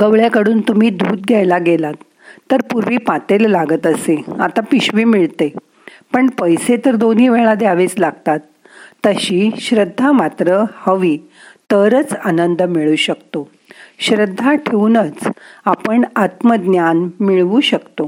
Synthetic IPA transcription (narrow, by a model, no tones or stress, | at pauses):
ɡəʋɭjakəɽuːnt̪um̤iːd̪ʱuːt̪̚ɡʱjajlaɡelat̪ː | əɾpuɾʋiːpãt̪ellaɡət̪əsea̰t̪apiɕʋiːmiɭt̪e | pəɳpəjset̪əɾd̪oniːʋeɭad̪jaʋet͡slaɡ̚t̪at̪ː | əɕiːɕɾəd̪ʱːamat̪ɾəhəʋiː | t̪əɾət͡sanənd̪miɭuːɕəkt̪o | ɕɾəd̪ʱːaʈʰeunət͡sapəɳat̪məd̪njanmiɭʋuɕəkt̪o